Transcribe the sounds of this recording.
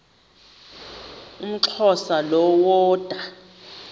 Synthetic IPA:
um̩ǁʰɔsalɔwɔːd̥ʼʱa

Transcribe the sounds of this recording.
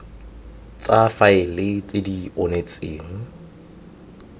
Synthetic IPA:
t͡sʼafaɪlɪt͡sʼɪdionet͡sʼeːŋ̩

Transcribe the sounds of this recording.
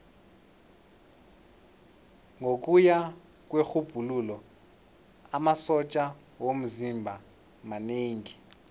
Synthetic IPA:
ŋʱok̬ʼuja | k̬ʼwexub̥ʱululɔ | amasɔt͡ʃʼa | wom̩zimbʱa | maneːŋi

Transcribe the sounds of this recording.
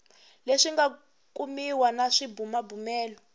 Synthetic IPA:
leʂiŋɡa | kʼumiwanaʂibumabumɛːlɔ

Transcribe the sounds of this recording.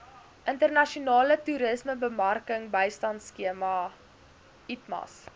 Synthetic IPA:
ʔəntərnɐʃiunɑːlətuɾəsməbəmɐrkəŋbəjstɐntskiəmɐ | itmɐ̰s

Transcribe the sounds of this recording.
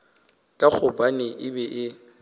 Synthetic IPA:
kʼak͡xʰʊbʼanɪʔɪbɛʔɪ

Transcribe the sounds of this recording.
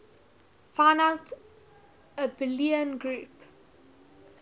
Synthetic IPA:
faɪnəlt | əbɪliə̃nɡɹuːp

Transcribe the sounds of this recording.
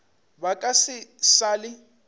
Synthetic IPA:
bakʼasɪsaːlɪ

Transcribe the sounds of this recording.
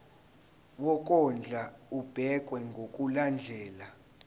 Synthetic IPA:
wɔk̬ʼɔnd͡ɮʱaub̥ʱɛk̬ʼwɛŋɡʱokʼuland͡ɮʱɛːla

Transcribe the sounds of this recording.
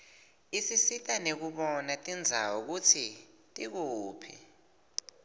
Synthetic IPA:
isisitʼanek̬uɓɔnatʼind͡zʱa̰wuk̬utʰi | tʼik̬uːpʰḭ

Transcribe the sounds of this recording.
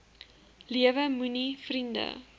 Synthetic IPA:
liəvəmunifrində̰

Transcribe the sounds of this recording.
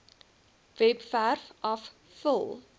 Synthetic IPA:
vɛpfærfʔɐf | fəlˠ

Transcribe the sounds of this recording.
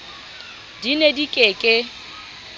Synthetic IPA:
dinedikʼekʼe

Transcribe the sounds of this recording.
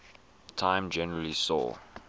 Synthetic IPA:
tʰãɪ̃md͡ʒɛnəɹəlisɔ̰

